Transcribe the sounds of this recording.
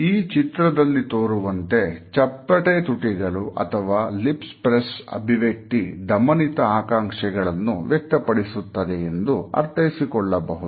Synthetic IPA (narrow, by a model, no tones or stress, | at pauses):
iːt͡ʃit̪ɾɐd̪ɐlːit̪oːɾuʋɐnt̪e̞t͡ʃɐpːɐʈet̪uʈiɡɐɭuʔɐ̰t̪ʰɐʋaːlipspɾesɐ̰bʱiʋjek̚t̪id̪ɐmɐnit̪ɐaːkaːŋʂɛɡɐɭɐnːṵʋjɛk̚t̪ɐpɐɽisut̪ːɐd̪eend̪uɐ̰ɾt̪ʰɐjisikɔɭːɐbɐɦud̪